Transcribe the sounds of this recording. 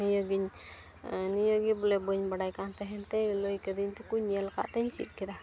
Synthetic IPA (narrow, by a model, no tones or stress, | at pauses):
nijɔɡiɲ | nijɔɡibɔlɛbəɲbaɖajkant̪ɛɦɛnt̪ɛjləjkəd̪iɲt̪ukuɲɛlka̰ʔt̪ɛɲt͡ʃḭt̪̚ˀkɛd̪a